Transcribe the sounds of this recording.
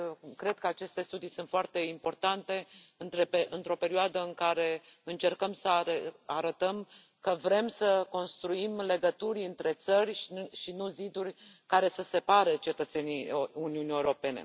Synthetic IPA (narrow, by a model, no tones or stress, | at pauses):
kɾe̞d̪̚kəat͡ʃe̞st̪e̞st̪ud̪isunt̪foart̪e̞impo̞rt̪ant̪e̞ɨnt̪ɾepeʔɨnt̪ɾo̞pe̞ɾioad̪əɨŋkaɾe̞ɨnt͡ʃe̞rkəmsəeaɾət̪əm | kəvɾe̞msəko̞nst̪ɾuimle̞ɡət̪uɾʲɨnt̪ɾe̞t̪sərʲʃʃinuzid̪urʲkaɾe̞səse̞paɾet͡ʃe̞t̪ət̪se̞niuniunijeuɾo̞pe̞ne̞̰